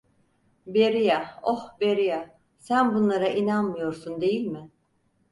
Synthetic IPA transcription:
beɾijaohbeɾija | sænbunlˠaɾaʔinanmɯjoɾsund̪e̞jilʲmɪ

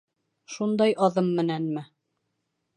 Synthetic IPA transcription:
ʃund̪ɑjɑðɤmːɘ̆nænmɘ

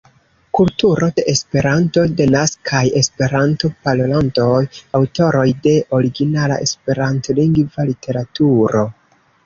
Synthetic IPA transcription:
kultuɾo̞de̞ʔespe̞ɾanto̞do̞naskʰaje̞spe̞ɾanto̞palolanto̞jawto̞ɾo̞jde̞ʔo̞ɾiɡinala̰ʔe̞̰spe̞ɾanto̞liŋɡvalitʰe̞ɾatuɾo̞

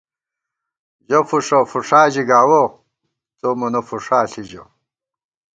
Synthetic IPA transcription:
d͡ʑɐfuʂɐfuʂaːd͡ʑiɡaːwo | t͡somɐnɐfuʂaːɬid͡ʑɐ̰

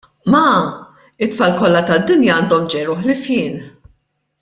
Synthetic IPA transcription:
mɐ | ɪt̪ːfɐːlkɔlːɐt̪ɐd̪ːɪnjɐɐːnd̪ɔmd͡ʒɛjɾʊħlɪfjɪːn

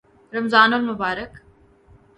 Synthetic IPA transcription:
ɾɐmzaːnɔlmʊbaːɾək

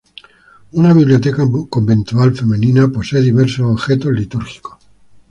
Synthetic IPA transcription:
unaβiβlijo̞t̪ekako̞mbẽ̞nt̪ualfe̞menĩnapo̞seːðiβeɾsoːβxet̪olit̪uɾxi̥ko

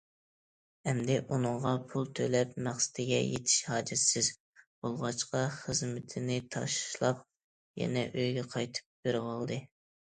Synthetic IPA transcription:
ɛmd̪ɪʔunɨɴʁɑpʰulˠt̪ʰølɛpmæχsɪ̥d̪ɪɡʲɛ̰jḛt̪ʰɪ̥ʃhɑːd͡ʒɪsɪz | b̥olˠʁɑt͡ʃqɑχəzmɪt̪ʰɪnɪt̪ʰɑ̰ʃʃlˠɑp̚ | jɛ̰nɛʔøjɡʲɛqʰɑjt̪ʰɨ̥p̚b̥eɾwɑlˠd̪ɨ

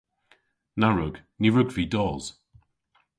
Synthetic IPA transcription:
naɹʊɡ | niɹʊɡviːdɔːz̥

